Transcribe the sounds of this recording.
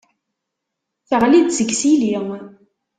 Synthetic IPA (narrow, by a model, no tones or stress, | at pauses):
θəʁlid̪səɡsili